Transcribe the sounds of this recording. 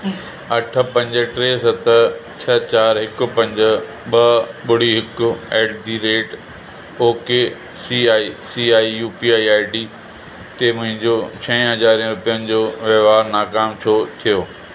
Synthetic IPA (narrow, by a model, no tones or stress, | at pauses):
ɐʈʰə̆pɐ̃ɲd͡ʑəʈɾeːsɐt̪ət͡ɕʰɐt͡ɕaːɾɦɪkʊ̆pɐ̃ɲd͡ʑə̆ | ɓɐɓʊɽ̤iɦɪkʊeːɖd̪iɾeːʈ | oːkeː | siaːisiaːijuːpiːaːiaːiɖiː | t̪eːmʊ̃ɦɪ̃ɲd͡ʑoːt͡ɕʰɐ̃ĩɦɐzaːɾijə̃ɾʊpijənɪ̆d͡ʑoːʋɐʋaːɾnaːkaːmt͡ɕʰot̪ʰijoː